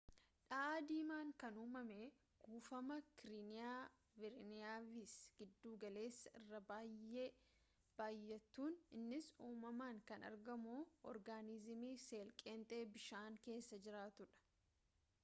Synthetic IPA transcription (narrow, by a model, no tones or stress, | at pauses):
ᶑɐʔaːd̪iːmaːŋkɐnuːmɐmeː | ɡ̥uːfɐmɐkɪɾɪnɪjaː | vɪɾɪnɪjaːvisɡ̥ɪd̪ːuːɡɐle̞ːsːɐɪ̰rːɐbaːjeː | b̥aːjːɛt̪ːuːnɪnːɪsuːmɐmaːŋkɐnɐ̰ɾɡɐmuːʔɔɾɡaːnɪzɪmiːse̞ːlkʼeːnt̪ʼe̞ːbɪʃaːŋke̞ːsːɐd͡ʒɪɾaːt̪ʊᶑɐ̥